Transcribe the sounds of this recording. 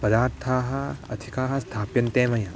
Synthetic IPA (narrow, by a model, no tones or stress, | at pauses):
pɐd̪aːɾt̪ʰaːɦɐɐ̰t̪ʰikaːɦɐst̪ʰaːpjɐnt̪eːmɐjɐ̃